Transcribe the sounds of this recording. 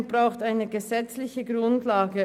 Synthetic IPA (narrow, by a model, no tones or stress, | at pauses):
b̥ʁaʊxtaɪnəɡəzɛt͡slɪçəɡʁʊntlaːɡə